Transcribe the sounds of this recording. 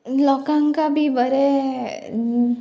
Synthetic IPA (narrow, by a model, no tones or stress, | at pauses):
lɔːkãŋkabʱibəɾe